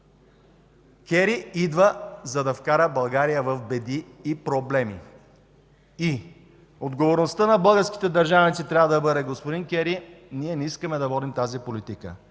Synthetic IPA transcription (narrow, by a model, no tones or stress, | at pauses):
kʲɛɾiid̪vəzɐd̪ɐfkaɾəbɐlˠɡaɾijəvɐvbɛd̪iːpɾoblɛmḭ | i | od̪ɡovoɾnost̪ənɐbɤlˠɡəɾskʲi̥t̪ɛd̪ɐɾʒanit̪sit̪ɾʲavəd̪ɐbɤd̪ɛɡospod̪inkʲɛɾiniɛnɛiskəmɛd̪ɐvɔd̪imt̪azipolit̪ikə̰